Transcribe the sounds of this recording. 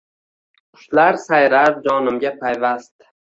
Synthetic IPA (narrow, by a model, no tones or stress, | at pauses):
qʰʊ̥ʃlaɾsajɾad͡ʒɒnɪmɡʲapʰajvast̪